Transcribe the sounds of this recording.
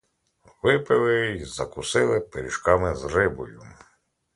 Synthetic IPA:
ʋɪpɪlˠɪzɐkʊsɪlˠɪpeɾʲiʃkɑmɪzrɪbɔ̰jʊ

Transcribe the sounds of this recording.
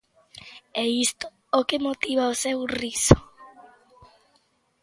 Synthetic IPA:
ɛist̪ʊ̥ | okemot̪iβaosɛwrisʊ̥

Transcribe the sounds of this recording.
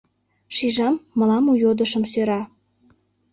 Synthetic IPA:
ʃiʒɑmːəlɑmujod̪əʃə̆msøɾɑ

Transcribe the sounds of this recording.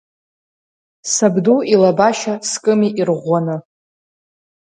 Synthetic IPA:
sabduilabaʃaskʼɨmiʔirʁʷanɨ

